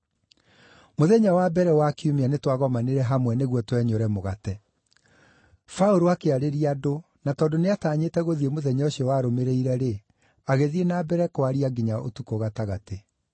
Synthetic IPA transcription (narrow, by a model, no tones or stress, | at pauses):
moðɛɲawabɛɾɛwakiumianetwaɣɔmaneɾɛɦamwɛneɣwɔtwɛɲɔɾɛmoɣatɛ | faoɾoakeaɾeɾiado | natɔːndoneataːɲetɛɣoðiemoðɛɲaoɕiɔwaɾomeɾeiɾɛɾe | aɣeðienabɛɾɛkoaɾiaɡiɲaʔo̰tukoɣataɣate